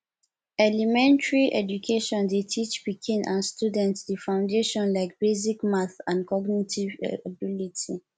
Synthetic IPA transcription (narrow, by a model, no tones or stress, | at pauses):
ɛlimɛ̃ntɹiʔɛdukʰeʃɔ̃ndetʰit͡ʃbikʰĩnʔãnstjudɛ̃ntsdifãʊ̃ndeʃɔ̃nlaɪk̚bezikmãθãnkɔɡnitʰiv̰abilitʰi